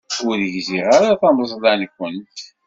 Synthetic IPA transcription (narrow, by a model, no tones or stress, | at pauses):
ʊðəʝziʁaɾaθɑməsˤlˤænkʷːənt̪